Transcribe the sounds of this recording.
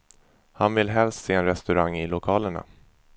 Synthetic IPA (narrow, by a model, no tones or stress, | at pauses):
hanvɪlɦɛlst̪seːɛnɾɛst̪ɵɾaŋːɪlʊkʰɑːləɳa̰